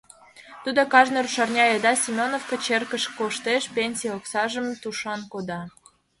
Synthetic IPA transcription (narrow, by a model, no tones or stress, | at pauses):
t̪ud̪okɑʒneɾuʃɑrnʲɑjed̪ɑsʲimʲonofkət͡ɕerkəʃkoʃt̪eʃpʲenʲsʲioksɑʒə̆mt̪uʃɑnkod̪ɑ